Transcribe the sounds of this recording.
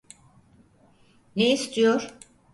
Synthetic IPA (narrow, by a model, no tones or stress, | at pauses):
neist̪ʰijoɾ̥